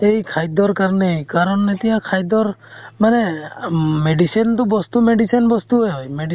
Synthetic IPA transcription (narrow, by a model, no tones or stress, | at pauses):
ejkʰajd̪ɔɾkaɾnejkaɾɔnet̪ijakʰajd̪ɔɾmane | meɖisint̪ubɔst̪umeɖisɔnbɔst̪uɦejɦojmeɖi